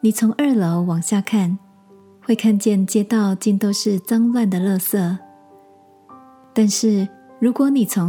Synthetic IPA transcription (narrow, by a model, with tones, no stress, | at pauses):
ni˨˩t͡sʰʊ˧˥ŋʔə˞˥˩lo˧˦ʊwɑ˨˩ŋɕja˥˧kʰa˥˩n | xwe˥˧ɪkʰa˥˧nt͡ɕjɛ˥˨nt͡ɕjɛ˥t̪ɑ˥˨ʊt͡ɕi˥˧nt̪o˥ʊʂɻ̩˥˩t͡sɑ˦ŋlwa˥˩nd̪ə˨lɤ˥˧sɤ˥˩ | t̪a˥˧nʂɻ̩˥˩ɻu˧˦˥kwɔ˧˦ni˨˩t͡sʰʊ˧˦